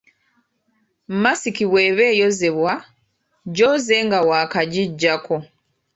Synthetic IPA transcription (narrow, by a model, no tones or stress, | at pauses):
mmasikiβwe̞ːβeːjozeβwa | ɟozeːŋɡawaːkaɟiɟːako